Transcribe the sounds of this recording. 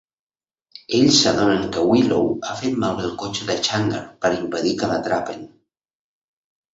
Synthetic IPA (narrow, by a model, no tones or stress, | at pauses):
eʎsaðonəŋkəwilowafet̪̚malβəlˠkot͡ʃəðət͡ʃaŋɡə̰ɾpəɾimpəðikələt̪ɾapḛn